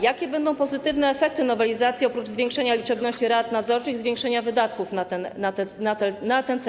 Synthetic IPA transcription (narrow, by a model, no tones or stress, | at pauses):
jakʲɛbɛnd̪ɔ̃w̃pɔzɘt̪ɘvn̪ɛːfɛk̚t̪ɘnɔvɛlʲizat̪sʲjiɔpɾud͡ʐzvʲjɛ̃ŋkʂɛɲalʲit͡ʂɛbnɔɕt͡ɕiɾat̪nad̪zɔɾt͡ʂɘɣzvʲjɛ̃ŋkʂɛɲavɘd̪at̪kufnat̪ɛnat̪ɛnat̪ɛnat̪ɛnt̪s